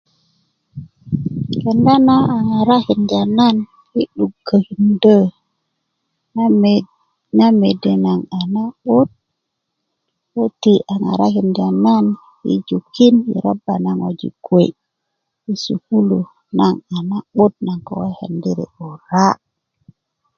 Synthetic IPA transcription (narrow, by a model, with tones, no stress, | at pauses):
kə˨nda˦na˦a˨ŋa˨ɾa˦hi˨nd͡ʒa˨na˦n | ji˦ɗu˨ɡə˨hi˨ndə˦ | na˦me˨de˨na˨ŋa˨na˦ɓo˦t̚ | wo˦ti˨ʔa˨na̰˨ɾa˦ki˨nd͡ʒa˨na˦n | jḭ˦d͡ʒu˨kːi˦njḭ˨ɾa̰˦bːa˨na˦ŋo˨d͡ʒḭ˨ɡwe˨ | ji˦sṵ˨ku˦lu˨ | na˨ŋa˨na˦ɓo˦t̚na˨ŋko˨wa˦hə̰˨ndi˦ɾḛ˨o˨ɾa˦